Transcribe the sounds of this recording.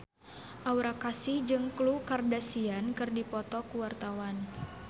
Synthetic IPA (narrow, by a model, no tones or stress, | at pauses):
ʔauɾakasɪhd͡ʒɨŋklukardasiankɨrdipɔt̪ɔkuwart̪awan